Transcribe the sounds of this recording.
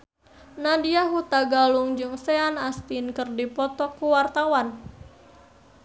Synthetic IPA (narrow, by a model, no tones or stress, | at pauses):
nadiaɦut̪aɡaluŋd͡ʒɨŋseanast̪inkɨrdipɔt̪ɔkːuwart̪awan